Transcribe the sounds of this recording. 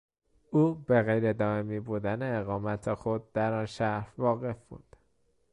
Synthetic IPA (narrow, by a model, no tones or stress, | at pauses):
uːbe̞ɣejɾed̪ɒːe̞miːbuːd̪æne̞ːɣɒːmæt̪ʰexod̪̚ːæɾɒːnʃæɾhvɒːɣe̞fb̥ṵd̪̥